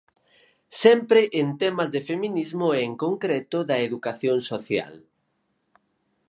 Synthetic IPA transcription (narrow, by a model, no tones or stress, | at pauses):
sɛmpɾɪʔent̪ɛmɐzðefeminizmʊeːŋkoŋkɾɛt̪ʊðɐeðukaθjoŋsoθja̰l